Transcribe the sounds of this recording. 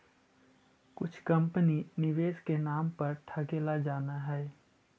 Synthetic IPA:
kʊt͡ʃʰkɐ̃mpəninɪʋeːskenaːmpɐɾʈʰakeːlad͡ʒaːnaɦɛː

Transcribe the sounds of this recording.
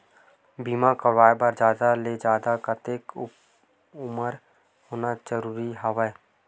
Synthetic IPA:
biːmakəʋaːjbaɾd͡ʒjaːd̪aled͡ʒaːd̪akət̪eːk | ʊməɾ | hoːnad͡ʒəɾuːɾiɦaʋɛː

